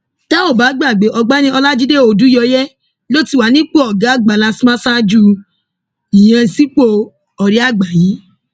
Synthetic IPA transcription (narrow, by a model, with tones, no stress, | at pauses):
ta˦o˦˨ba˨˦ɡ͡ba˦˨ɡ͡be˨˦ʔɔ˧ɡ͡ba˦nĩ˧˦ɔ˧la˦d͡ʒi˦de˦o˨dũ˨˦jɔ˧jɛ˦ | lo˦ti˦˨wa˨˦nĩ˦k͡po˦ɔ˨ɡa˨˦ɡ͡ba˨la˧si˦mã˦sa˦d͡ʒu˦ | i˨j̃ã˧si˦k͡po˧ | ɔ˨ɾi˦a˦˨ɡ͡ba˨ji˨˦